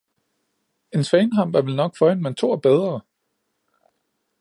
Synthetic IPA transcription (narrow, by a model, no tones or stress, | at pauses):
e̝nsfɛnɦɑ̈m̰b̥æʋe̝lnɒ̽ɡ̥fɒ̽enment͡sʰo̝̰ːɐb̥eð̞ˠʁɐ